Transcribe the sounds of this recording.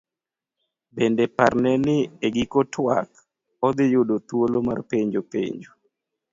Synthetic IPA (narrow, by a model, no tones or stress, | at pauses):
bendɛparnɛnɪeɡɪkɔtʰwa̰k | ɔd̪ɪjʊdot̪woloma̰rpeɲd͡ʒopḛɲd͡ʒo